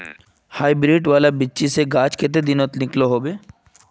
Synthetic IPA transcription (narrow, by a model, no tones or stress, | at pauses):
haːibɾiːʈʋaːlabɪt͡ʃiseɡaːt͡ʃket̪̬ed̪ɪnot̪nɪkloɦobe